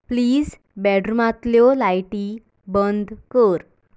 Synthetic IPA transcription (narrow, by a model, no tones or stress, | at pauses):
pliːd͡z | bɛɖɾmat̪ljɔlajʈi | bənd̪kəɾ